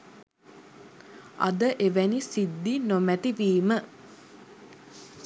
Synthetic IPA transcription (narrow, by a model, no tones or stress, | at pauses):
a̰d̪əʔeʋænisid̪ːinomæt̪iʋiːmə